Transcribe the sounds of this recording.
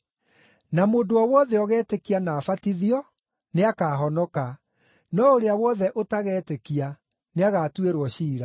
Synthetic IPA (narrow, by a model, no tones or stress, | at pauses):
namoːndoɔwɔðɛɔɣɛːtekianaːfatiðiɔ | neakaːɦɔnɔka | nɔoɾeawɔðɛʔotaɣɛːtekia | neaɣaːtweɾwɔɕiːɾa